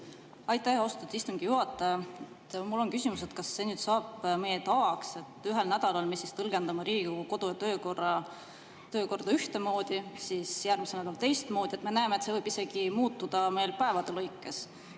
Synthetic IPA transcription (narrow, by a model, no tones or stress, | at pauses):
ɑjt̪ːˑæho̞st̪ud̪̥ist̪uŋɡ̥ijuɦɑt̪ːˑɑɑet̪mulːo̞nkysimus̬et̪kɑsːe̞nyːd̪̥sɑːb̥mejet̪ɑkse̞t̪ːˑyɦe̞lnæd̪̥ɑlɑlmisːist̪ɤlɡ̥e̞nd̪ɑmɑɾiːɡuko̞d̪̥ujɑt̪øːkorɑ | t̪øːko̞rd̪̥ɑyht̪emo̞ːd̪̥isisjærmiselnæd̪ɑlt̪e̞jst̪mo̞ːd̪̥ʲie̞t̪me̞næemet̪se̞vɤjb̥ise̞ɡ̥imuːt̪ːud̪̥ɑme̞jlpæe̞vɑd̪̥elɤjkˑːes